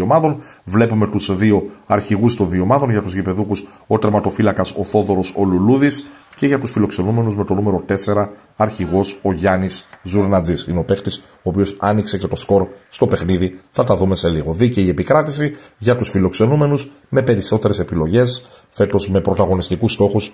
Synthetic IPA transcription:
omɐðo̞nvle̞pume̞t̪uzðio̞ɐɾçiɣust̪o̞nðio̞mɐðo̞nʝɐt̪uzʝipe̞ðukus | o̞t̪ɾemɐt̪o̞filɐkɐso̞θo̞ðo̞ɾo̞so̞luluðis | ce̞ʝɐt̪usfilo̞kse̞nume̞nuzme̞t̪o̞nume̞ɾo̞t̪e̞se̞ɾɐ | ɐɾçiɣo̞so̞ʝɐniszuɾnɐd͡zisineope̞xt̪is | o̞ːpio̞sɐnikse̞ce̞t̪o̞sko̞ɾst̪o̞pe̞xniðiθɐt̪ɐðume̞se̞liɣo̞ðiceie̞pikɾɐt̪isiʝɐt̪usfilo̞kse̞nume̞nuz | me̞pe̞ɾiso̞t̪e̞ɾe̞se̞pilo̞ʝe̞s | fe̞t̪o̞zme̞pɾo̞t̪ɐɣo̞nist̪ikust̪o̞xus

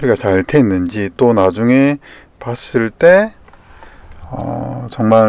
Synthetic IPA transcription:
ɯɾiɡat͡ɕaɭtʰe̞nːɯnd͡ʑit͈onad͡ʑuŋe̞ | pass͈ɯɭt͈e̞ | ʌ̰t͡ɕʌŋma

